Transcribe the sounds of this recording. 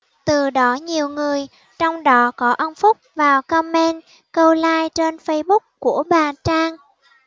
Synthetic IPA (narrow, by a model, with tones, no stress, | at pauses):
t̪ɨ˨˩ɗɔ˨˦ɲi˨˩əwŋɨ˨˩əj | t͡ɕɔ˧wŋ͡mɗɔ˨˦kɔ˨˦ʔə˧nfʊ˦˥k͡p̚vaː˨˩wkɔ˧mɛ˧n | kə˧wlaː˧jt͡ɕe˧nfə˧jɓʊ˦˥k͡p̚ku˧˩əɓaː˨˩t͡ɕaː˧ŋ